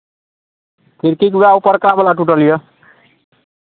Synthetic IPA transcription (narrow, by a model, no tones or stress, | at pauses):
pʰiɾkikbaupʌɾkabʌlaʈuʈʌlijʌ